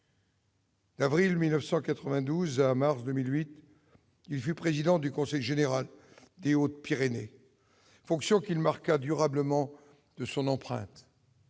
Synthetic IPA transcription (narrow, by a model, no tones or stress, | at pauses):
d̪avʁilmilnəfsɑ̃kat̪χəvɛ̃d̪uzamaʁsd̪əmilɥit̪ | ilfypχezid̪ɑ̃d̪ykɔ̃sɛjʒeneʁal | d̪eot̪̚piʁene | fɔ̃ksjɔ̃kilmaʁkad̪yʁabləmɑ̃ | d̪̥əsɔ̃nɑ̃pχɛ̰̃t̪